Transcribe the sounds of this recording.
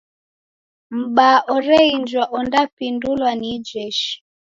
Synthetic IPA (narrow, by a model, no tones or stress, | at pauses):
m̩ɓaʔɔɾɛind͡ʒwaʔɔndapindulwanid͡ʒɛʃi̥